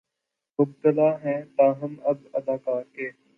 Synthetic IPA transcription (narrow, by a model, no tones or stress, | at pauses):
mʊb̚t̪əlaːɦɛ̃ːt̪aːɦəmɐbɐd̪aːkaːɾkeː